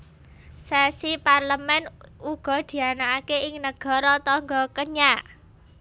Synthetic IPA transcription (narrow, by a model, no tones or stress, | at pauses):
sɛsiparləmɛnuɡ̥ɔ̤d̪̥i̤anaːkeɪŋnəɡ̥ɔ̤ɾɔt̪ɔŋɡɔkəɲaʔ